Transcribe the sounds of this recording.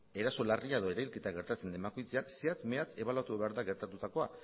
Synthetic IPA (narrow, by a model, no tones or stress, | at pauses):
e̞ɾaso̞lariaeðo̞e̞ɾajlke̞t̪aɣe̞ɾt̪at͡se̞nd̪e̞mbakujt͡seakseat͡smeat͡se̞β̞alat̪uβe̞aɾðaɣe̞ɾt̪at̪ut̪ako̞a